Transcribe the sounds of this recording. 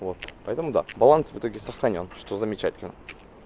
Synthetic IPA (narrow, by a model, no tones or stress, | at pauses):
vot̪pɐjt̪əmud̪a̰bɐlˠansvɨt̪o̞ɡʲɪsɐxɾɐnʲo̞nʂt̪ozɐmʲɪt͡ʃajet̪̚kʲen